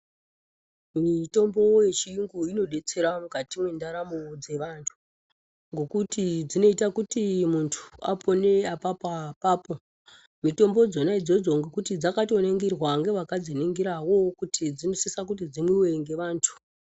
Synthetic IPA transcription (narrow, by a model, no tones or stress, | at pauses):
mito̞mbo̞je̞t͡ʃiiŋɡuino̞ɗe̞t͡se̞ɾamukatimwe̞ndaɾamud͡ze̞ʋantʰu̥ | ŋɡo̞kutid͡zino̞itakutimuntʰu̥a̰pʰo̞ne̞apapapaːpo̞ | mito̞mbo̞d͡zo̞naid͡zo̞d͡zo̞ŋɡokutid͡zakato̞neŋɡerwaŋɡe̞ʋakad͡zineŋɡiɾawo̞kutid͡zinosisak̬ut̬id͡zimwiwe̞ŋɡe̞ʋaːntʰu̥